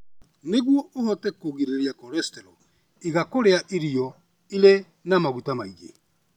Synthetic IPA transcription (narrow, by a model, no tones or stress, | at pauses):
neɣwɔʔohɔtɛkoɣiɾeɾjakɔɾɛstɛɾɔ | iɣakoɾeaʔiɾiɔ | ile | namaɣutamaiɣḛ